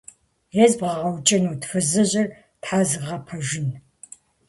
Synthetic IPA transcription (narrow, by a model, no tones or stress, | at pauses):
jɛzbʁɐʁɐwt͡ʃʼɐnuːtʰfɨzɨʑɪr | tħaːzɨʁɐpʰɐʒɪn